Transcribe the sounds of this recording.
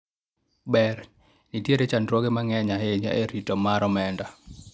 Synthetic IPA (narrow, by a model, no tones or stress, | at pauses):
bɛr | nitjeɾet͡ʃandɾwɔɡemaŋɛɲaɦeɲa̰ʔeɾitɔmaɾɔmɛnda